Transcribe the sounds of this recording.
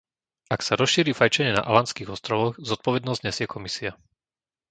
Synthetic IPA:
aksaɾɔsʃiːɾiːfajt͡ʃɛɲɛna̰ʔalanskiːɣɔst̪ɾɔʋɔɣzɔt̪̚pɔʋɛd̪nɔzɲɛsɪɛkʰɔmisia

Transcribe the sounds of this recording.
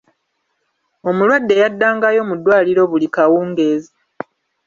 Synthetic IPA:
o̞mulwadːe̞jadːaːŋɡajo̞mudːwaːliɾo̞βulikawuːŋɡe̞ːzi

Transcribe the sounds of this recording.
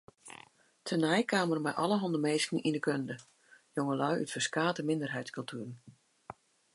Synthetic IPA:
tʰənɛjkʰaːmərmɛjʔɔ̰lˠəɦɔndəmeːskn̩indəkʰøndə | joŋəlœɥʔy̰tfəskaːtəmɪndərɦɛjtskɵlˠtʰyːrn̩

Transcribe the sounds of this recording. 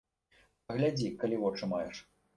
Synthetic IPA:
pɐɣlʲad͡zʲikalʲivɔt͡ʂɨmajɛʂ

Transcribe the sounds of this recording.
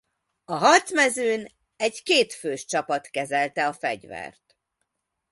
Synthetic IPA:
ɒɦɒt̪smɛzøːn | ɛɟkeːt̪føːʃt͡ʃɒpɒt̪kɛzɛlt̪ɛɒfɛ̰ɟvɛ̰rt̪

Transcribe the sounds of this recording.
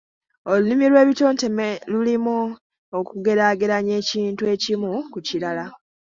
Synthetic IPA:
o̞lunimilwe̞ːβito̞ːntemelulimu | okuɡe̞ɾaːɡe̞ɾaɲe̞ːciːntue̞ːcimukucilala

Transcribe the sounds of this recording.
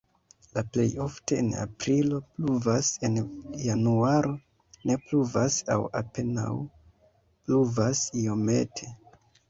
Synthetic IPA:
laple̞jo̞fte̞ːna̰pɾilo̞pluvase̞njanuaɾo̞ | ne̞pluvasawa̰pe̞na̰w | pluvasijo̞me̞̰tʰe̞

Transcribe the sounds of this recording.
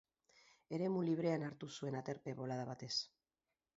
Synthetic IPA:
e̞ɾe̞muliβ̞ɾe̞anaɾt̪usue̞nat̪e̞ɾpe̞βo̞lað̞aβat̪e̞s

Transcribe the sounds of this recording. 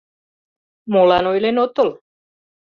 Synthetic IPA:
molanojlenot̪ol

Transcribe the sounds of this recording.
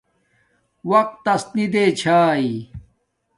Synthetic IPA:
wɐq̚t̪ːɐst̪nid̪eːt͡ɕʰaːi

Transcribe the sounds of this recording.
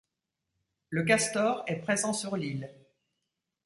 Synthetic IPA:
lək̬ast̪ɔʁɛpχezɑ̃syʁlil

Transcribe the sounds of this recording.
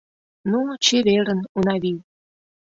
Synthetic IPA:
nut͡ɕeβeɾənunɑβiw

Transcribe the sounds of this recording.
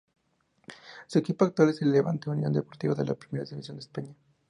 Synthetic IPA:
sue̞kipoakt̪waleseleleβa̰nt̪eunjõ̞̰nd̪e̞po̞ɾt̪iβaðe̞̰la̰pɾime̞ɾaðiβisjo̞nd̪espaɲa

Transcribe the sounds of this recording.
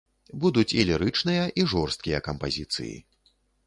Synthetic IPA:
bud̪ut͡sʲilʲiɾɨt͡ʂnɨjɐʔiʐɔrst̪̚kʲijɐkɐmpazʲit̪sɨ̰jḭ

